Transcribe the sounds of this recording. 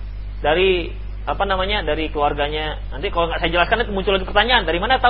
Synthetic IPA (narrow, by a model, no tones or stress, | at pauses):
daɾi | apanamaɲadaɾikluarɡaɲa | nant̪ikaloŋɡaʔsajad͡ʒəlaskanat̪umuɲt͡ʃʊlːaɡipərt̪aɲandaɾimanat̪a